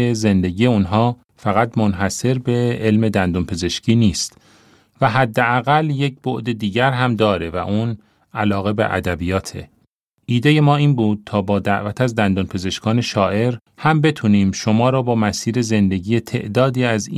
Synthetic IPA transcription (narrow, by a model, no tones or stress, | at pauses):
eze̞nd̪e̞ɟije̞unɦɒː | fæɣæt̪mo̞nɦæse̞ɾbe̞elme̞d̪ænd̪onpʰe̞ze̞ʃcʰiːniːst̪ | væɦæd̪ːeæɣælje̞c̚boʔd̪e̞d̪iːɟæɾɦæmd̪ɒːɾe̞væ̰ʔuːn | ælɒːɣe̞beʔæ̰d̪æbijɒːt̪ʰe̞̰ | ʔiːd̪e̞je̞mɒːiːnbuːd̪̥̚t̪ʰɒːbɒːd̪æʔvæt̪ʰæzd̪ænd̪onpʰe̞ze̞ʃkʰɒːne̞ʃɒːʔe̞ɾ | hæmbe̞t̪ʰuniːmʃo̞mɒːɾɒːbɒːmæsiːɾe̞ze̞nd̪e̞ɟiːje̞t̪ʰe̞̰ʔd̪ɒːd̪iːæz